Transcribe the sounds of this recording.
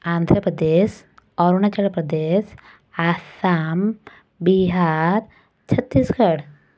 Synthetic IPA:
and̪ʱɾəpɾəd̪eɕ | ɔɾunat͡ɕaɾpɾəd̪es | asam | biɦaɾ | t͡ɕʰət̪ːiːskʰəɽ

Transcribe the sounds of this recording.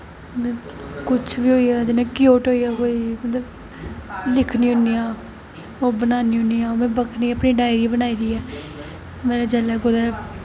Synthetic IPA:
ət̪əkʊt͡ʃʰbiːɦoːiɛːd͡ʒɪnẽːkɪjoːʈɦoːiːɛːkoːiːmət̪ləb | lɪkʰniːɦʊniːaː | oːbənaːniːɦʊniːaːoːmɛ̃ːbəkʰniːəpniːɖaːɪɾiːbənaːiːɾiːɛː | mɛ̃ːnẽd͡ʒɛːlɛːkʊd̪ɛː

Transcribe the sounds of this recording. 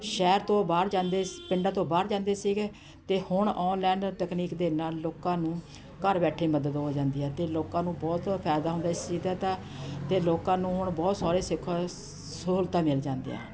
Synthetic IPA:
ʃɛːɾt̪õːbaːɾd͡ʒãːnd̪eːpɪɳɖãːt̪õːbaːɾd͡ʒãːnd̪eːsiːɡeː | t̪eːhʊɳɔːnlɛ̃ːɳɖʈəkniːkd̪eːnaːlːoːkãːnũː | kəɾbɛːʈʰeːməd̪əd̪ɦoːd͡ʒãːnd̪iːɛːt̪eːloːkãːnũːbɔːt̪pʰɛːd̪aːɦʊ̃nd̪aːɪst͡ʃiːd̪ɛːt̪aː | t̪eːloːkãːnũːɦʊɳbɔːt̪saːɾeːsɪkʰːa | soːlt̪ãːmɪld͡ʒãːnd̪ḛã̰ː

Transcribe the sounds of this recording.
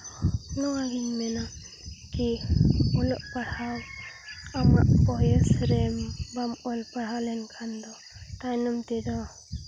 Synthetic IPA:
nɔwaɡiɲmɛna | kiɔlɔʔpaɽhaw | ama̰ʔpɔɛsɾɛmbamɔlpaɽalɛnkʰand̪ɔ | tajnɔmt̪ɛd̪ɔ

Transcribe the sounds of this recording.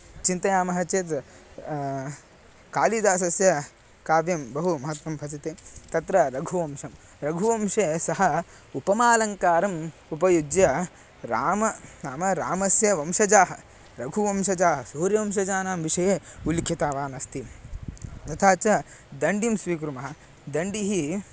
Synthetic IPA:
t͡ʃint̪ɐjaːmɐɦɐt͡ʃeːt̪ | kaːlid̪aːs̬ɐsjɐ | kaːʋjɐmbɐɦumɐɦɐt̪ʋɐmpɐt͡ʃit̪eːt̪ɐt̪ɾɐɾɐɡʱuʋɐmʃɐm | ɾɐɡʱuʋɐmʃesɐɦɐ | upɐmaːlɐŋkaːɾɐmupɐjud͡ʒjɐ | ɾaːmɐnaːmɐɾaːmɐsjɐʋɐmʃɐd͡ʒaːɦɐ | ɾɐɡʱuʋɐmʃɐd͡ʒaːɦɐsuːɾjɐʋɐmʃ̬ɐd͡ʒaːnaːmʋiʂɐjeulkʰjɐt̪aːʋaːnɐst̪i | nɐt̪ʰaːt͡ʃɐd̪ɐɳɖimsʋiːk̬ɾumɐɦɐ̆ | d̪ɐɳɖiɦi

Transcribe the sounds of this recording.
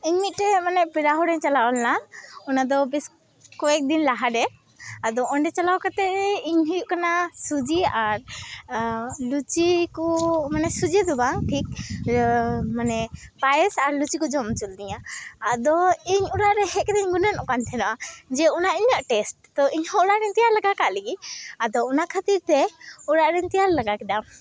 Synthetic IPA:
iɲmit̪̚ˀʈɛmanɛpiɾaɦɔɾɛɲt͡ʃalawɔlnaɔnad̪ɔbɛs | kɔwɛk̚d̪inlaɦaɖɛ | ad̪ɔɔɳɖɛt͡ʃalawkat̪ɛɾɛiɲɦujuʔkanasud͡ʒiaɾ | lut͡ʃikɔmanɛsud͡ʒɛd̪ubaŋʈʰik̚ | manɛbajɛsaɾlut͡ʃikɔd͡ʒɔmt͡ʃuld̪iɲaːd̪ɔiɲuɾaʔɾɛhɛʔ̚kɛd̪ɛɲɡunanʔɔkant̪ʰɛnɔʔad͡ʒɛɔnaʔiɲaʔʈɛsʈ̚t̪ɔʔiɲhɔɾaʔɾɛɲt̪ijaɾlaɡakaʔləɡiad̪ɔɔnakʰat̪iɾt̪ɛɔɾaʔɾɛɲt̪ijaɾlaɡakɛd̪a

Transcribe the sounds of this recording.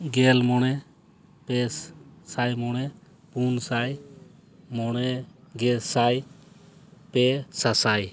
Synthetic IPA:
ɡɛlmɔñɛ | pɛssajmɔnɛ | punsaj | mɔɽɛɡɛsaj | pɛsasaj

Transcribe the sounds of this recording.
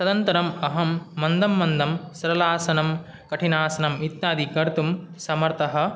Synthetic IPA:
sɐd̪ɐnt̪ɐɾɐmɐɦɐmːɐnd̪ɐmːɐnd̪ɐmsɐɾɐlaːsɐnɐm | kɐʈʰinaːsɐnɐmit̪naːd̪ikɐɾt̪umsɐmɐɾt̪ɐɦɐ̆

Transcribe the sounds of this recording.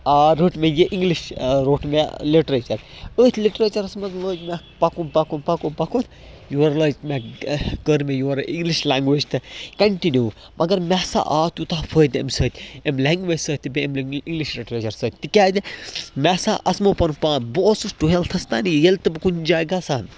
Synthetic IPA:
aːɾoːʈmejeʔiŋɡliʃɾoːʈmeliʈɾeːt͡ʃɐk | əːt̪ʲʰliʈɾeːt͡ʃɐɾɐsmɐt̪ləːd͡ʒmʲɛ | pɐkunpɐkunpɐkunpɐkun | juɾlɐːd͡ʒmeɡəɾmejuɾʔiŋɡliʃlʲaːŋɡʋeːd͡ʒt̪ɨkɐɳʈinjuː | mʔɐɡɐɾmʲɛːsa̰ːʔaːt̪ut̪aːfʰəːd̪ɐ̰msəːt̪ʰʲemleːŋɡʋeːd͡ʒʲsəːt̪ʲːɨbeemiŋɡliʃliʈɾeːt͡ʃɐɾsəːt̪̚ʲt̪ːɨkʲaːd̪ʲemʲɛsa̰ːʔɐsmoːpɐnpãːnboːsusʈuɦelt̪ʰɐst̪aːnijjelt̪ɨbɨkund͡ʒaːɡaːsaːn

